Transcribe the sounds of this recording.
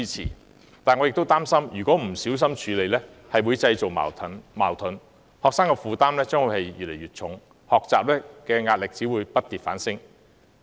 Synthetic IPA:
iː˥t͡sʰḭː˨˩ | t̪aː˨nŋɔː˨˧jɪkt̪wt̪aː˥msɐ˥mjyː˨˩kʷɔː˨˥m̩˨˩siː˨˥ws̬ɐ˥mt͡ʃʰyː˨˧le˨˧jlɛ˥ | hɐ˨jwuː˨˧jt͡sɐ˧jt͡so˨w̰ːʰnmaː˨˩wt̪ʰʊ˨˥n | hɔː˨ksaː˥ŋkɛː˧fuː˨˧t̪aː˥mlɛː˥t͡sœː˥ŋwu˨˧hɐ˨jjy̰ː˨t̚le˨˩jɥyː˨˩t̚t͡ʃʰʊ˨˥ŋ | hɔː˨k̚t͡saː˨p̚lɛː˥kɛː˧ŋaː˧t̚lɪ˨k̚t͡siː˨˥wu˨˧jpɐ˥t̚t̪iː˨˩t̚fa̰ː˨˥nsɪ˥ŋ

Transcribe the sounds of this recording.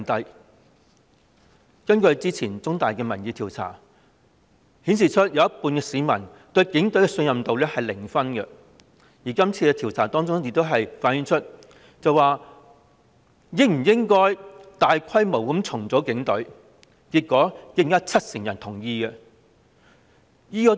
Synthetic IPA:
t̪ɐ˨˧j | kɐ˥nkɵ˧ɥt͡siː˥t͡sʰiː˨˩nt͡sʊ˥ŋt̪aː˨jkɛː˧mɐ˨˩nji˨˧t̪ʰiː˨˩wt͡sʰa̰ː˨˩ | hiː˨˥ns̬iː˨t͡ʃʰɵ˥t̚jɐ˨˧wɐ˥t̚puː˧nkɛː˧siː˨˧mɐ˨˩nt̪ɵ˧ɥkɪ˨˥ŋt̪ɵ˨˥kɛ˧sɵ˧njɐ˨mt̪o˨wlɛː˥hɐ˨jlɪ˨˩ŋfɐ˥nkɛ˧ | jiː˨˩kɐ˥mt͡sʰiː˧kɛ˧t̪ʰi˨˩wt͡sʰaː˨˩t̪ɔː˥ŋt͡sʊ˥ŋjɪ˧k̚t̪o˥wɦɐ˨jfaː˨˥njy˨˥nt͡ʃʰɵ˥t̚ | t͡sɐ˨waː˨ | ji˨˧˥m̩˨˩jɪ˥ŋkɔː˥jt̪aː˨jkʷʰɐ˥jmo˨˩wkɐ˨˥mt͡sʰʊ˨˩ŋt͡sɔː˨˥kɪ˨˥ŋt̪ɵ˨˥ɥ | kiː˧t̚kːɔː˨˥kɪ˥˩ŋjɐ˥t͡sʰɐ˥t̚sɪ˨˩ŋjɐ˨˩nt̪ʰʊ˨˩ŋjiː˧ɡɛ˧ | jiː˥kɔː˧˥

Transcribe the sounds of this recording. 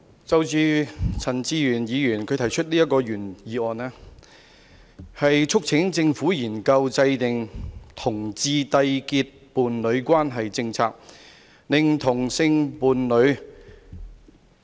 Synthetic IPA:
t͡sɐ˨˧wt͡syː˧t͡sʰɐ˨˩nt͡siː˧jyː˨˩njiː˨˧jyː˨˩nkʰɵ˨˧t̪ʰɐ˨˩jt͡ʃʰɵ˥t̚liː˥jɐ˥t̚kɔː˧jyː˨˩njiː˨˧ɔː˨˩nɛː˥ | hɐ˨jt͡ʃʰʊ˥k̚t͡sʰɪ˨˥ŋt͡sɪ˧ŋfuː˨˥jiː˨˩nkɐ˧wt͡sɐ˧jt̪ɪ˨ŋt̪ʰʊ˨˩ŋt͡siː˧t̪ɐ˧jkiː˧t̚puː˨˩nlɵ˨˧ɥkʷaː˥nɦɐ˨jt͡sɪ˧ŋt͡sʰaː˧k̚ | nɪ˨ŋt̪ʰʊ˨˩ŋsɪ˧ŋpuː˨nlɵ˨˧ɥ

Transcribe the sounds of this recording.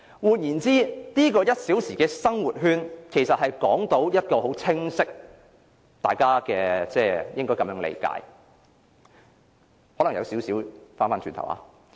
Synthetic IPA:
wuː˨t̚jiː˨˩nt͡siː˥niː˥kɔː˧jɐ˥t̚siː˨˥wsiː˨˩kɛː˧sɐ˥ŋwuː˨˩t̚ɦyː˥˧nkʰe˨˩jsɐ˨t̚hɐ˨jkɔː˨˥ŋt̪o˨˥wjɐ˥t̚kɔː˧ɦo˨˥wt͡sʰɪ˥ŋsɪ˥k̚ | t̪a̰ː˨jkaː˥kɛː˧t͡sɛː˧˩jɪ˥ŋkɔː˥jkɐ˨˦mjœː˨˥ŋlḛ˧jka̰ː˧˥j | hɔː˨˥lɐ˨˩ŋjɐ˨˧wsi˨˥wsiː˨˥wfaː˥nfaː˥nt͡ʃyː˧nt̪ʰɐ˨˩wʔa̰ː˨˧

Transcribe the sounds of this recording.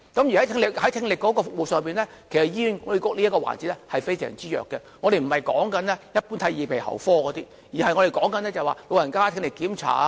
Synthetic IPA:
kɐ˨˥mjy˨˩ɐ˨˥jt̪ʰɪ˧ŋlɪ˨khɐ˨˥jt̪ʰɪ˧ŋlɪ˨kːɔː˨˥kɔː˧fʊ˨k̚mo˨wsœː˨˧ŋmiː˨˧nlɛː˥kʰe˨˩jsɐ˨t̚jiː˥jyː˨˧nɔ˨˧˥kɔ˧˥liː˥ɐ˥kːɔ˧wa̰ː˨˩nt͡si˨˥tlɛ˥hɐ˨jfe˥jsɛ̰ː˨˩ŋt͡siː˥jœ̰ː˨kːɛ˧ŋɔː˨˧ɾe˨jm̩˨˩hɐ˨jkɔ̰ː˨˥ŋkɐ˨˦nlɛː˥jɐ˥t̚pu˨˥nt̪ʰɐ˨˧˥jiː˨pʰe˨˩jhɐ̰˨˩wfɔː˥kɔː˨˧t̪iː˥ | jiː˨˩hɐ˨jŋɔ˨˧ɾe˨jkɔː˨˥ŋkɐ˨˧nɛː˥t͡sɐ˨waː˨lo˨˧wjɐ˨˩nkaː˥t̪ʰɪ˧ŋlɪ˨kːiː˨˥mt͡sʰa̰ː˨˥

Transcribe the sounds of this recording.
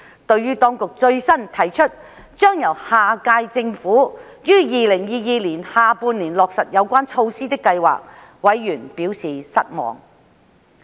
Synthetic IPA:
t̪ɵ˧ɥɥyː˥t̪ɔː˥ŋkʊ˨k̚t͡ʃɵ˧ɥsɐ˥nt̪ʰɐ˨˩jt͡ʃʰɵ˥t̚ | t͡ʃœː˥ŋjɐ˨˩whaː˨˩kaː˧jt͡sɪ˧ŋfuː˨˥ | jyː˥jiː˨˧lɪ˨˩ŋjiː˧jiː˨˧liː˨˩nhaː˨˧puː˧nliː˨˩nlɔː˨k̚sɐ˨t̚jɐ˨˧wkʷaː˥nt͡ʃʰo˧wsiː˥t̪ɪ˥kːɐ˧jwa̰ː˨˩k̚ | wɐ˨˥jːyː˨˩npiː˨˥wsiː˨sɐ̰˥t̚mɔ̰ː˨˩ŋ

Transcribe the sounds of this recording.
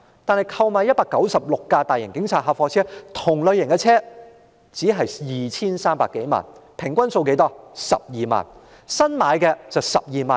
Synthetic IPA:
t̪aː˨nhɐ˨˩jkʰɐ˧wmaː˨˧jɐ˥t̚paː˧kːɐ˨˥wsɐ˨p̚lʊ˨kːaː˧t̪aː˨˩jɪ˨˩ŋkɪ˨˥ŋt͡sʰaː˧t̚ɦa˧fɔː˧t͡sʰɛː˦˥t̪ʰʊ˨˩ŋlɵ˨˧ɥjɪ˨ŋkɛː˧t͡sʰɛː˥ | t͡siː˨˥ɦɐ˨jjiː˨˩t͡sʰiː˥nsaː˥mpaː˧kːe˨˥jma̰ː˨˩npʰɪ˨˩ŋkʷɐ˥nso˧wke˨˥jt̪ɔː˥sɐ̰˨p̚jiː˨ma̰ː˨˩n | sɐ˥nmaː˨˧jkɛː˧t͡sɐ˨wsɐ̰˨p̚jiː˨˩ma̰ː˨n

